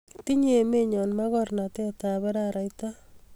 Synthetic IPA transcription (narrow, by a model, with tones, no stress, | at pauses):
ti˦ɲe˨me˦ɲɔ˨nma˦ɣɔrna˨te˦ta˨βɛ˦ɾaɾa˨jta˦